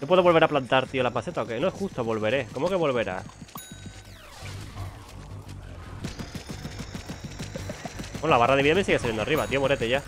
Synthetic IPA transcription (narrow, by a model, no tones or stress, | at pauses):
no̞pweoo̞lβe̞ɾaplant̪aɾt̪iolapase̞t̪aokenoexust̪oβo̞lβe̞ɾe̞ko̞mo̞ke̞βo̞lβe̞ɾa̰ | wenoaβaraðeβiðamesiɣsaljend̪ariβat̪io̞moɾet̪eʝa